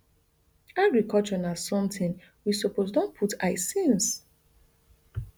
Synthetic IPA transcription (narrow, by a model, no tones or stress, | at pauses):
aɡɹikɔlt͡ʃɔnazsɔ̃mtĩn | wisoposdõnpʰutʰaɪsĩns